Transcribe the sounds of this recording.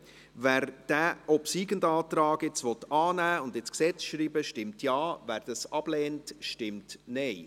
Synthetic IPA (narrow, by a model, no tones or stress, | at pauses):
væːɾd̥æːʔɔpsiːɡəndɑːt̪rɑːɡɪt͡sʋɔtɑːnæːʊndɪsksɛt͡sʃɾiːbəʃtɪmtʰjɑːvæːɾd̥ɑsɑb̥lɛːntʃtɪmtnɛɪ